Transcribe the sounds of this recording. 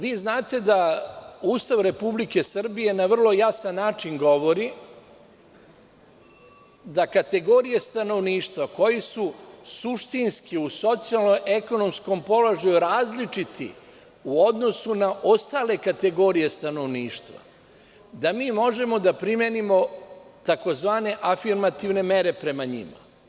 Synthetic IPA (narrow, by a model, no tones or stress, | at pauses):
ʋiːznaːt̪e̞d̪auːst̪aʋɾe̞publike̞sr̩bije̞naʋr̩lˠo̞jasanːaːt͡ʂinɡo̞ʋo̞ɾi | d̪akat̪e̞ɡo̞ɾijest̪ano̞ʋniːʃt̪ʋako̞jisusuʃt̪inskiuso̞t̪sijalˠnoʔe̞ko̞no̞msko̞mpo̞lo̞ʒajuɾaːzlit͡ʂit̪ʰḭ | uo̞d̪no̞sunaʔo̞st̪aːle̞kat̪e̞ɡo̞ːɾije̞st̪ano̞ʋniːʃt̪ʋa̰ | d̪amiːmo̞ʒe̞mo̞d̪apɾimjenimo̞t̪ako̞zʋaːne̞ʔafiɾmat̪iʋne̞me̞ɾe̞pɾe̞maɲḭma̰